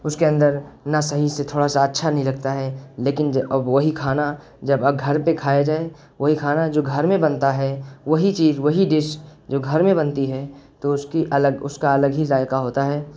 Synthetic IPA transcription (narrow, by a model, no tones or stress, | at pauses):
ʊskeə̃nd̪əɾnasɐɦiset̪ʰoːɽasaɐtːʃʰanɐɦĩlɐɡ̚t̪aɦɛːleːkɪnd͡ʒɐbʋɐɦikʰaːna | d͡ʒɐbɐɡʱɐɾpẽkʰaːjad͡ʒaːe | ʋɐɦikʰaːnad͡ʒoːɡʱɐɾmẽbɐ̃nt̪aɦɛʋɐɦit͡ʃiːzʋɐɦiɖɪʃd͡ʒoːɡʱɐɾmẽbɐ̃nt̪iɦɛːt̪oʊskiʔɐləɡʊskaɐləɡɦiɾaːjkaɦoːt̪aɦɛː